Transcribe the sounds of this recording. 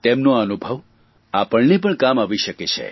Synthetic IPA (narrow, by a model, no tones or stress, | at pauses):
t̪emnoənubʱəʋ | apəɭnep̬əɳkamaʋiʃəket͡ʃʰḛ